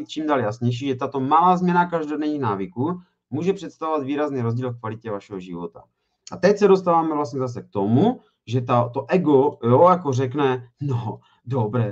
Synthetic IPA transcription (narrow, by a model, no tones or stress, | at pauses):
t̪t͡ʃiːmdaːljasɲɛjʃ̬iːʒɛt̪at̪o̞malaːzmɲɛnakaʒdodɛɲiːxnaːvɪkuː | muːʒɛpr̥ɛt̪st̪avovad̪viːɾazniːɾo̞zɟiːlfkvalɪcɛvaʃɛɦoʒɪ̰vo̞t̪a̰ | ʔat̪ɛcsɛdo̞st̪aːvaːmɛvlast̪ɲɛzas̬ɛk̚t̪omu | ʒɛt̪at̪oʔɛɡojojakorɛknɛno | dobɾɛ